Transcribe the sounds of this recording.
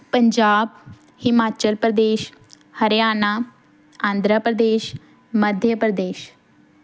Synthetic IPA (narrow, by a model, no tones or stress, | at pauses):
pəɲd͡ʒaːb̚ | hɪmaːt͡ʃəlpɾəd̪eːʃ | həɾjaːnaː | ãːnd̪ɾəpɾəd̪eːʃ | məd̪ʱjəpɾəd̪eːʃ